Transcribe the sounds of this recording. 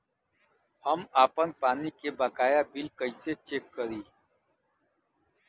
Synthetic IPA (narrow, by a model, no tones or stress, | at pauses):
əmaːpənpaːnikebaːkaːjaːbilkəiset͡ʃeːkːəɾiː